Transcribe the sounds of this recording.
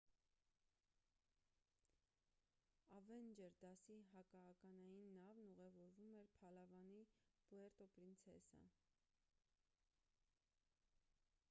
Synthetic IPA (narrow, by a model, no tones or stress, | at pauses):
ɑvɛnd͡ʒɛɾd̪ɑsiɦɑkɑːkɑnɑjinːɑvnuʁɛvɔɾvumɛɾpʰɑlɑvɑnib̥uɛɾt̪ɔpɾint͡sʰɛ̰sə̰